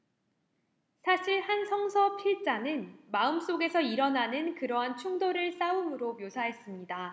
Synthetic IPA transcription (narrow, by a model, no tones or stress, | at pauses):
sʰaɕʰiɭhansʰʌŋsʰʌpʰiɭt͡ɕ͈anɯnmaɯms͈oɡe̞sʰʌiɾʌnanɯnkɯɾʌɦant͡ɕʰuŋdoɾɯɭs͈aɯmɯɾomjosʰaɦe̞s͈ɯmɲida